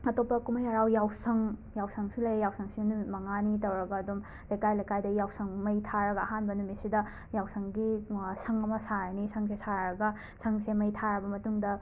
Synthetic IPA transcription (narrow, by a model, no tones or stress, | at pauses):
ɐtopːɐkumɐjɐɾawjawsɐŋjawsɐŋsilɐjjawsɐŋsinumɐŋanitɐwɾɐɡɐːdum | lɐjkajlɐjkajdɐjawsɐŋmɐjtʰaɾɐɡɐɐɦanbɐnumisidɐ | jawsɐŋɡisɐŋɐmɐsaɾɐnisʰɐŋsesaɾɾɐɡɐ | sʰɐŋsemɐjtʰaɾɐbɐmɐtuŋdɐ